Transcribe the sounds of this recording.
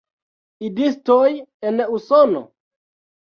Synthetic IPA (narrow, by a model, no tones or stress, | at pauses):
idistojenusono̰